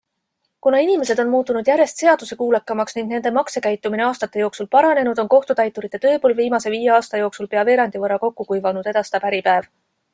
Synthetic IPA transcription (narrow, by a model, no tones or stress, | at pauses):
kunɑinʲime̞se̞d̪̥o̞nmuːt̪ːˑunud̪jæɾjest̪se̞ɑd̪̥use̞kuːlekːˑɑmɑksniŋɡ̥ne̞nd̪̥e̞mɑkse̞kæjt̪ːˑumine̞ɑːst̪ɑt̪ːˑe̞jo̞ːksulpɑɾɑne̞nud̪̥o̞nko̞ht̪ut̪ɑjt̪ːˑuɾit̪ːˑet̪ø̞ːpoːlviːmɑse̞viːjeɑːst̪ɑjo̞ːksulpe̞ɑve̞ːɾɑnd̪̥ivɤɾɑko̞kːukujvɑnud̪e̞d̪ɑst̪ɑpæɾipæev